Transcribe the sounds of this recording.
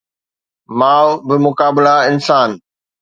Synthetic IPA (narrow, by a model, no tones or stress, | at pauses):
maːbɪmʊkaːbɪlaɪnsaːn